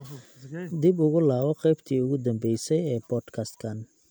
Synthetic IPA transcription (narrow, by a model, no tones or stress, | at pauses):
d̪ɪbʊɣʊlaːβɔqɛjbt̪ʰiːʊɣʊd̪ɐmbɛjsɛjɛːbɔːd̪kʰaːst̪kʰaːn